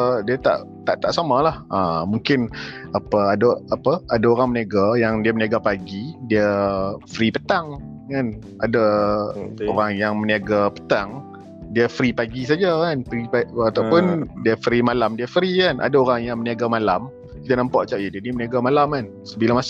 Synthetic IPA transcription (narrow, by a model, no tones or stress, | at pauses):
diət̪a̰ʔ | t̪aʔt̪aʔsamalahʔəmuŋkɪnapəadaapəadaoɾaŋməniaɡajaŋdiəməniaɡapaɡidiəfɾipət̪aŋ | kan | ada | oɾaŋjaŋməniaɡapə̥t̪aŋ | diəfɾipaɡisad͡ʒakanfɾiat̪awpʊndiəfɾimalamdiəfɾikanʔa̰daoɾaŋjaŋməniaɡamalam | kit̪anampaʔt͡ʃaʔjədiəniməniaɡamalaman | səbilamas